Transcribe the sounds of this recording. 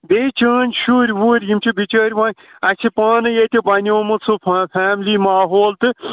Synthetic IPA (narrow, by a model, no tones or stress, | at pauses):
b̪et͡ʃɐːnʲʃuːɾʲwuːɾʲjimt͡ʃʰubit͡ʃəːɾʲʋãːnʲ | ɐsʰipaːnɨjet̪ʲibɐnʲoːmɨt͡sʰɨpʰpʰaːmliːmaːɦoːlt̪ɨ